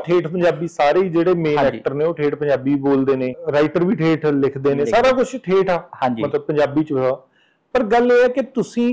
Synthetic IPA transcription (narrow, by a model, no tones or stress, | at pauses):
ʈʰeːʈʰpəɲd͡ʒaːbiːsaːɾeːd͡ʒeːɽeːmẽːnɛːk̚ʈəɾnẽːoːʈʰeːʈpəɲd͡ʒaːbiːboːld̪eːnẽːɾaːɪʈəɾʋiːʈʰeːʈʰlɪkʰd̪eːnẽːsaːɾaːkʊt͡ʃʰʈʰeːʈʰaːhãːd͡ʒimət̪ləb̚pəɲd͡ʒaːbiːt͡ʃʋaː | pəɾɡəleːɛːkɪt̪ʊsĩː